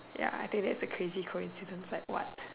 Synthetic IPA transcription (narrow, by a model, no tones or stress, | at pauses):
ja̰a̰ɪθɪ̃ŋk̚d̪ɛtsəkʰɹezikʰoɪ̰̃nsɪdə̃nslaɪkwɔ̰t̚